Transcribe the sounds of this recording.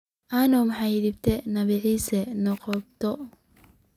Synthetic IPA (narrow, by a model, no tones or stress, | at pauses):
ʔanɔmħajðɪbt̪ʰɛnɐβɪʕiːsɛnɔqɔb̚t̪ʰɔ